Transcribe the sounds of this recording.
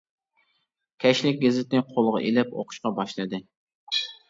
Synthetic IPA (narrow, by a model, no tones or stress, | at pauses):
kʲʰɛʃlɪk̚ʲɡʲezɪt̪ɪnɪqʰolˠʁɑ̰ʔelɪpo̰qʰʊ̥ʃqɑbɑʃlˠɨd̪ɨ